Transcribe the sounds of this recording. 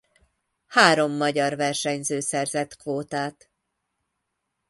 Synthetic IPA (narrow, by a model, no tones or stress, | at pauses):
haːɾo̞mːɒɟɒrvɛrʃɛɲzøːsɛrzɛt̪kvoːt̪aːt̪